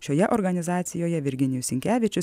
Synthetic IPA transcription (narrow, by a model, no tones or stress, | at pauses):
ʃʲoːjɛʔɔɾɡɐnʲɪzɑːt̪sʲɪjoːjɛʋʲɪɾʲɡʲɪnʲɪjʊsʲɪŋʲkʲæːʋʲɪt͡ʃʲʊ